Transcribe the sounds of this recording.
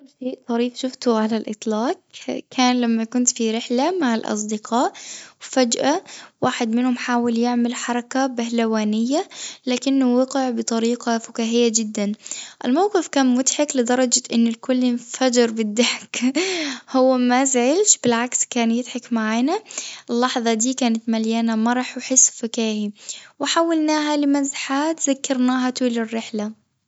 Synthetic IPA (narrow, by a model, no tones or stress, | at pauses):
kʊlːʃeːʔt̪ˤɑɾiːfʃʊft̪ʊʕalalʔɨ̰t̪ˤlɑːq̚kʰaːnlamːakʊnt̪fiɾɪħlamaʕalʔɑ̰s̬ˤd̪ɪqʰɑːʔwfad͡ʒʔawaːħɪd̪mɪnhʊmħaːwɪljɪʕmɪlħɑɾˤɑkabɪhlawaːnɪjːalaːkɪnːʊwɑqɪʕbɨt̪ˤɑɾiːqɑfʊkaːɦɪjːad͡ʒɪd̪ːanʔɪlmawqɨfkaːnmʊt̪ħaklɪd̪ɑɾˤɑd͡ʒaʔɪnːɪlkʊlːɪnfad͡ʒɪɾbɪd̪ːaħk | hʊwːamazʕɪlʃb̥ɪlʕakskaːnjɪd̪ħakmaʕaːnaʔɪlːɑħðˤɑd̪iːkaːnɪt̪maljaːnamɑɾˤɑħwħɪsːfʊkaːhiwɪħaːwalnaːɦalɪmazħaːt̪zakːɑɾnaːɦat̪uːlɪrːɪħla